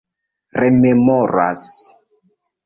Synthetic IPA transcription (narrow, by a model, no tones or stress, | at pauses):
rememoɾa̰s